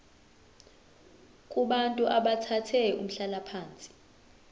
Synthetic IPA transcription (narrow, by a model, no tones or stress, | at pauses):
kʼuɓantʼuʔaɓatʰatʰɛum̩ɬalapʰaːnt͡sʼi̥